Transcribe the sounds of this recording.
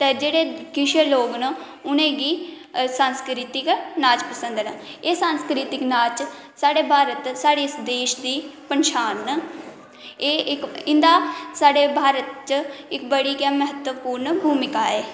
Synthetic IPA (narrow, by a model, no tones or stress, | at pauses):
t̪eːd͡ʒeːɽeːkɪʃeloːɡnə | ʊnẽːɡiː | sanskɾiːt̪ɪknaːt͡ʃpəsə̃nd̪nəeːsaːnskɾiːt̪ɪknaːt͡ʃ | saːɽeːbʱaːɾət̪saːɽiːsd̪eːʃd̪iːpənʃaːn | eːɪkɪnd̪aːsaːɽeːbʱaːɾət̪t͡ʃɪkbəɽiːkaːməɦət̪wəpuːɾnbʱuːmɪkaːɛː